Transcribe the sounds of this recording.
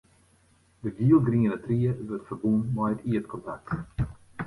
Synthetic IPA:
d̪əɡiːlˠɡɾiŋənɛt̪ɾiːɛvət̪fəɾbunmajt̪iɛt̪kʰɔnt̪ak̚t̪

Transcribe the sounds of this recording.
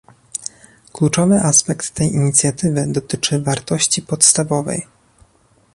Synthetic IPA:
klut͡ʂɔvɘʔaspɛkt̪ːɛjiɲit̪sʲjat̪ɘvɘd̪ɔt̪ɘt͡ʂɘvaɾt̪ɔɕt͡ɕipɔt̪st̪avɔvɛ̰j

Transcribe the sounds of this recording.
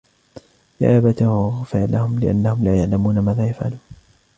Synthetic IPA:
ja̰ːʔaːbat̪awɣfɪʕlahʊmlɪʔa̰nːahʊmlaːjaʕlamuːnamaːðaːjafʕa̰luːn

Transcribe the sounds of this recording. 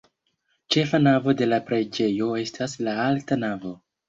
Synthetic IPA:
t͡ʃe̞fanavo̞de̞lapɾe̞d͡ʒe̞jo̞e̞stʰaslaaltanavo̞

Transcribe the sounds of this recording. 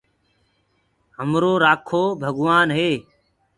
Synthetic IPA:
ɦəmɾoːɾaːkʰoːbʱəɡʋaːnɦeː

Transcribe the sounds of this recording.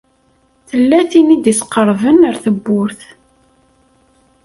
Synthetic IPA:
θəlːæθinid̪isqːəɾˤvənəɾθəbːʊɾθ

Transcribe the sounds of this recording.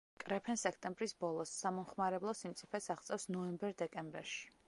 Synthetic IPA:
kʼɾɛpʰɛnsɛkʰt̪ʼɛmbɾisbɔlˠɔsːamɔmχmaɾɛblˠɔsimt̪sʼipʰɛsaʁt̪sʼɛwsnɔɛmbɛɾd̪ɛkʼɛmbɛɾʃi̥

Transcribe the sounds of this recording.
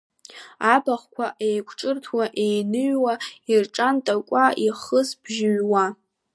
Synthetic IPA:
abaχkʷʰaʔejkʷʰʈ͡ʂʼɨrtʰwaʔejnɨɥwairʈ͡ʂʼantʼakʷʼaiχəsbʒɪɥwa

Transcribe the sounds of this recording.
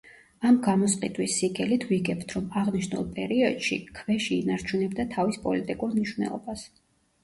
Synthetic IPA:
amɡamɔsqʼit̪ʼwisːiɡɛlit̪ʰviɡɛpt̪ʰɾɔmaʁniʃnṵlˠpʼɛɾiɔd̪̥ʃḭkʰvɛʃiːnaɾt͡ʃʰunɛbd̪at̪ʰavispʼɔlit̪ʼikʼuɾmniʃwnɛ̰lˠɔ̰bas

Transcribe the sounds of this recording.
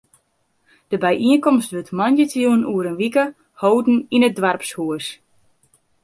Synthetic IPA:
d̥əbɛjʔiənkɔmstʋøtmɔnjətjuənuəɾənʋikə | hoːdn̩inədʋarpshuəs

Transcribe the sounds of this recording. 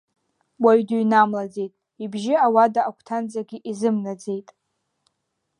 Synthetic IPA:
waɥdujnamlad͡ze̞jtʼ | ibʒɪawadaʔːkʷʰtʰand͡zaɡʲiʔizɨmnad͡ze̞jtʼ

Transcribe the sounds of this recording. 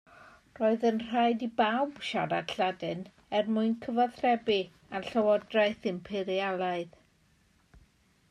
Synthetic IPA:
roɨðənr̥aɨdibawbʃaɾadɬadɨn | ɛrmʊɨnkʰəvaθrɛbi | anɬəwɔdraɨθɪmpʰɪɾialˠaɨð

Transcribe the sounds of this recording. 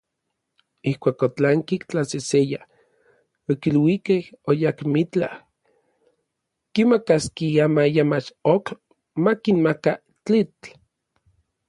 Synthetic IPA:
ihkʷaːkot͡ɬaŋkikt͡ɬaseseja | okilwikehojakmit͡ɬa̰h | kimakaskiamajamat͡ʃok | makinmaka | t͡ɬit͡ɬ

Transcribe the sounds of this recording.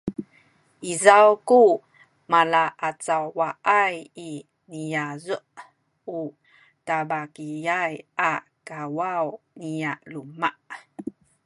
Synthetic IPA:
ʔizawku | malaʔat͡sawːaʔaji | nijazuʔ | u | tabakijajakawawniaʔlumaʔ

